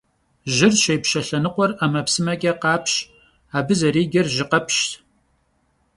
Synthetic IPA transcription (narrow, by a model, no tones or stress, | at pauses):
ʒɪrɕejpʃɐɬɐnɨqʷɔramɐpsɨmɐkʲʼɐqɑːpʰɕ | aːbɨzɐɾiːɡʲɐrʒɪqɐpʰʃtʰ